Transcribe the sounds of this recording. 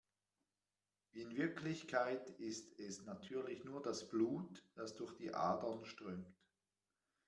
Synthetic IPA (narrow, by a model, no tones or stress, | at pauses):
viːɪnvɪɐkʰlɪçkʰaɪtɪstɛsnatʰyːɐlɪçnuːɐdasb̥luːtd̥asd̥ʊɐxd̥iːʔa̰ːdɐnʃtʁ̥œːmt